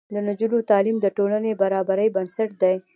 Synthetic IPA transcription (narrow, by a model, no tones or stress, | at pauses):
d̪ənad͡ʒunot̪ɑlimd̪əʈolanebaɾɑbaɾəjbansaʈ̚d̪aj